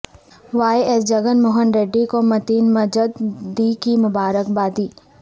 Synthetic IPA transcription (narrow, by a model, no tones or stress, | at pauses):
ʋaːeeːs̬d͡ʒɐɡənmʊːɦənɾeːɖːikomɐt̪iːnmɐd͡ʒəd̪d̪iːkimʊbaːɾəkbaːd̪iː